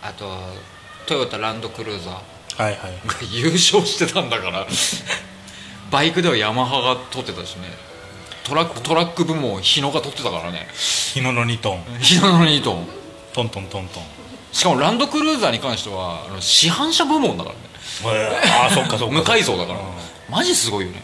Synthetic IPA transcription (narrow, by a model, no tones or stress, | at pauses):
at̪o̞βa | t̪ojabat̪ːaɾãnd̪o̞kɯ̟ɾɯ̟ːzaː | haihaiɡajɯ̟ːɕo̞ːɕi̥t̪e̞t̪ʰãnd̪akaɾa | baikɯ̟d̪e̞βajamaɦaɡat̪o̞t̪ːe̞t̪aɕinḛ | t̪oɾakːt̪o̞ɾakːɯ̟bɯ̟mõ̞çino̞ɡat̪o̞t̪ːe̞t̪aka̰ɾa̰nḛçinonoɲʲit̪õŋçinonoɲit̪õŋ | t̪õnt̪õnt̪õnt̪õ | ɕi̥kamo̞ɾãnd̪o̞kɯ̟ɾɯːzaːɲ̟ikãɰ̃ɕi̥t̪e̞βa̰ːno̞ɕiɦãɰ̃ɕabɯ̟mõ̞nd̪a̰ka̰ɾa̰ne | asokːasmɯ̟kaiso̞ːd̪akaɾa̰ | maʑisɨɡo̞ijo̞ne̞̰